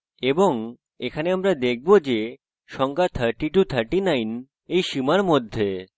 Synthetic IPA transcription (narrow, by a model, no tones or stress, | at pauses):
eboŋ | ekʰaneamɾad̪ek̚ʰbod͡ʑe | ʃɔŋɡat̪ʰːaɾʈiʈut̪ʰaɾʈinajn | ejʃimaɾmod̪ʱːe